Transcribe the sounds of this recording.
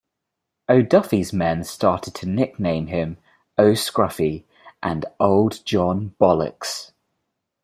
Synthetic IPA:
əʊdʌfizmɛ̃nstɑˑtʰɪd̚tʰənɪk̚nẽɪ̃mɪ̃m | əʊskɹʌfi | ʔə̰̃nʔoʊlˠdd͡ʒɒ̃nb̥ɒlɪ̰ks

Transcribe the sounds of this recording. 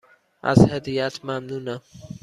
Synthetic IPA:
ʔa̰zhɛd̪ijat̪ʰmamnuna

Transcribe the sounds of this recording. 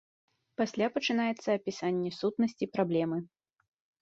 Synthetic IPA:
pasʲlʲapɐt͡ʂɨn̪ajɛt̪sːɐːpʲisanʲːɛsut̪nɐsʲt͡sʲipɾablʲɛmɨ

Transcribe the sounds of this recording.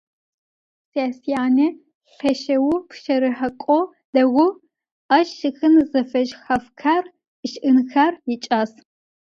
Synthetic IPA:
saaːsijaːne | ɬɐʃɐwʊpʰʃɐɾɨħɐkʷʼɔ | dɐɣʷʊ | ɐʃʃɨxɨnzɐfɐʒxɐfkʰar | ʃʔɨnxarjɪt͡ʃʼaːs

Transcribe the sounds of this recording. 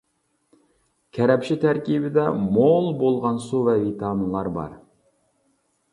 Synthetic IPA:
kʲʰæɾɛpʃɪt̪ʰæɾkʲibɪd̪ɛmolˠbolˠʁɑnsuvɛvit̪ʰɑnlˠɑɾbɑ̰ɾ

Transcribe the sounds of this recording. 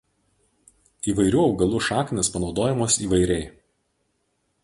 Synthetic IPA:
iːʋɐɪɾʲuːɒʊɡɐlˠuʃɑːkʲnʲespɐnɒʊd̪oːjɛmoːsiːʋɐɪɾʲɛɪ

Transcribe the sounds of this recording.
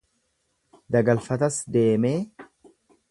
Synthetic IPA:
d̪ɐɡɐlfɐt̪ɐsd̪e̞ːmeː

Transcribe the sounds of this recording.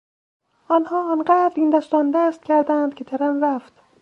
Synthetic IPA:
ʔɒːnhɒːɒnɢæːd̪ɾiːnd̪æst̪ɒːnd̪æst̪̚cʰʲæɾd̪ænd̪kʰʲet̪ʰæɾænɾæft̪

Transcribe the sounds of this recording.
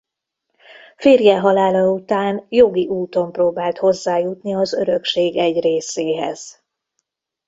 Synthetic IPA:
feːrjɛɦɒlaːlɒut̪aːnjo̞ɡiʔuːt̪o̞mproːbaːlt̪ho̞zːaːjut̪niɒzø̞ɾø̞kʃeːɡɛɟreːseːɦɛ̰z̥

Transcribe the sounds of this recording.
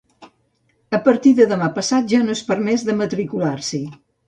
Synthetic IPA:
əpəɾt̪iðəðəmapəsat̪̚ʒanoespəɾmɛzðəmət̪ɾikulaɾsi

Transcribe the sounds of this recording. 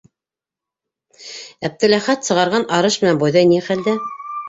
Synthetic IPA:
æp̚t̪ɘ̆læχæt̪sɤ̆ʁɑɾʁɑnʔɑɾɤʃmɘ̆nænbujðɑjniχæld̪æ

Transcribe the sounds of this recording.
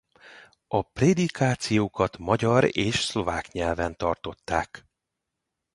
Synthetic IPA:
ɒpred̪ikaːt̪sijoːkɒt̪mɒɟɒɾeːʃslo̞vaːkɲɛlvɛnt̪ɒrt̪o̞t̪ːaːk

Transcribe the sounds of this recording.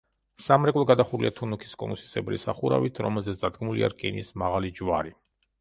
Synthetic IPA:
samɾɛkʼlˠɔɡad̪aχuɾliat̪ʰunukʰi̥skʼɔnusi̥sɛbɾḭsa̰χuɾa̰vit̪ʰɾɔmɛlˠzɛt̪sd̪ad̪ɡmulḭa̰ɾkʼinismaʁalid͡ʒwaɾi

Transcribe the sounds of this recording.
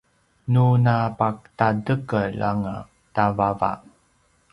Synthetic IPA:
nunapak̚tadəkəɭa̰ŋa | tavava̰

